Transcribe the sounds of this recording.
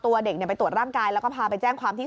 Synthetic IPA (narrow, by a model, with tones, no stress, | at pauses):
t̪u˧ɐde˨˩kni˧˩pa˧jt̪u˨˩ət̪̚ɾaː˥˩ŋkaː˧jlɛː˦˥wkɔː˥˩pʰaː˧pa˧jt͡ɕɛː˥˩ŋkʰwaː˧mt̪ʰiː˥˩